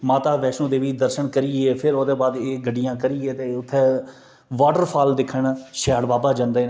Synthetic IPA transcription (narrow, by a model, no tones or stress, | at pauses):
maːt̪aːʋɛːʃõːd̪eːʋiːd̪əɾʃəɳkəɾiːeːpʰɪɾoːd̪eːbaːd̪eːɡəɖːɪjãːkəɾiːeːt̪eːʊt̪ʰːeː | ʋaːɖəɾpʰaːld̪ɪkʰəɳʃɛːɽbaːbaːd͡ʒãːnd̪eː